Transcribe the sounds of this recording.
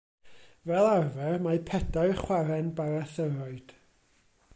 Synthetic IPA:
vɛlˠarvɛrmajpʰɛdajrχwaɾɛnbaɾaθəɾɔɨd̥

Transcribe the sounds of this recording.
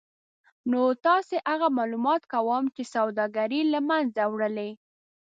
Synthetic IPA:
not̪ɑseʔaɣamɑlumɑt̪kawɑmt͡ʃesawd̪ɑɡaɾilamanzawɽəle

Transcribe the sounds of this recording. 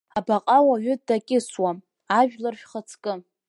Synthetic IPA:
abaqʼawaɥʏdakʲʼɪswam | aʒᶣlarʃᶣχət͡sʰkʼɨ

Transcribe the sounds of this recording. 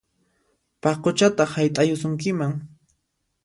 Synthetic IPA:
pɑqot͡ʃat̪aχhajt̪ʼajʊsʊŋkɪmaŋ

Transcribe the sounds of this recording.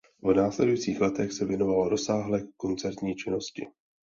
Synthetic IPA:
vnaːslɛdujit͡siːxlɛt̪ɛxsɛvjɛno̞valoɾo̞saːɦlɛːko̞nt͡sɛɾt̪ɲiːt͡ʃɪno̞scɪ̰

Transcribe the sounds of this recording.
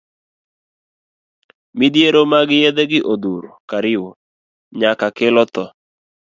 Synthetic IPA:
mid̪jeɾomaɡɪjed̪eɡɪʔod̪uɾokaɾɪwo | ɲakakɪlɔt̪ɔ

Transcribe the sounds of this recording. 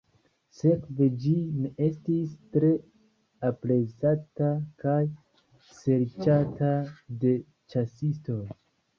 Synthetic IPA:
se̞kve̞d͡ʒinee̞stistɾe̞ | apɾe̞zatakaj | se̞ɾt͡ʃatade̞ | t͡ʃasisto̞j

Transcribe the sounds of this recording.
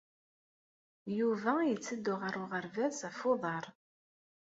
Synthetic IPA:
juvæjət͡sːəd̪ːʊʁəɾʊʁəɾvæsæfoðˤɑɾˤ

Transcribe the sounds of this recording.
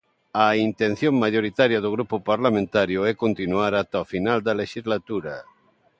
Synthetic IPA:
aint̪enθjoŋmaʎoɾit̪aɾjɐðoɣ̞ɾupʊpaɾlamẽnt̪aɾjʊɛkont̪inuaɾat̪ofinald̪ɐleʃizlat̪uɾɐ

